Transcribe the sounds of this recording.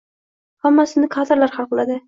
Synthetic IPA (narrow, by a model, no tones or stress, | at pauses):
hamːasɪnɪkʰad̪ɪɾlaɾχɑlˠqlˠad̪ɪ